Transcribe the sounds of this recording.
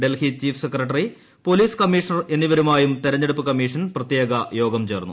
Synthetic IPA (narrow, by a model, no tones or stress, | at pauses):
ɖelhit͡ɕiːfʰɨ̥sekːrɐʈ̬ːɐri | po̞liːskɐmːiːʂɐnɐre̞nːiʋɐɾumaːjumt̪iɾɐɲːeɽup̬ːɨkɐmːiːʂɐnprɐt̪jeːɡɐjo̞ːɡɐmt͡ɕe̞ːrnːṵ